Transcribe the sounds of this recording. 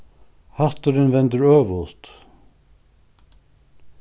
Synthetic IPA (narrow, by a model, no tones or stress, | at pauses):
haht̪ʏɾɪnvɛnt̪ʏɾœːvʊlt̪